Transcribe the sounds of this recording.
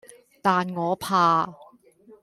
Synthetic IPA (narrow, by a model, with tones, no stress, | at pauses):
t̪aː˨nŋɔː˨˧pʰaː˨˧